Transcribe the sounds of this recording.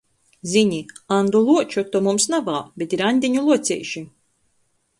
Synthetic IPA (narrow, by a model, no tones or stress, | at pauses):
zʲiɲiand̪ɔlˠuɔt͡ʃɔt̪ːɔmumsnavaːbet̪iɾanʲd̪ʲiɲulˠuɔt̪sʲɛ̰jʃi